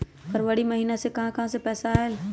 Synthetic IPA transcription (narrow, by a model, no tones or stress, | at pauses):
pɐɾʋəɽiməɦiːnasekɐɦãkɐɦãsepɛːsael